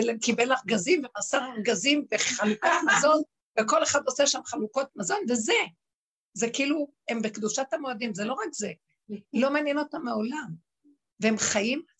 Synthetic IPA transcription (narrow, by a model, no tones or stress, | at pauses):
lekibelaχɡazimvemasaʁaɡazimveχalukamazo̞n | veko̞leχad̪o̞seʃamχaluko̞t̪mazo̞nveze̞ | zekiilu | hembekd̪uʃat̪hamoad̪imzelo̞ʁakze̞ | lomaːnjeno̞t̪amao̞lam | veemχajim